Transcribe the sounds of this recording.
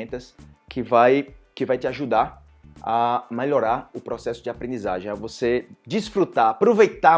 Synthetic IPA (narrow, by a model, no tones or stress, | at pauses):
t̪ɐskɪvajkɪvajt̪ɪaʒud̪aɾ | ɐmeʎɔɾaɾʊpɾɔsɛsʊd͡ʒɪapɾẽnd͡ʒiza̰ʒẽj̃ɐvosed͡ʒisfɾut̪aapɾovejt̪a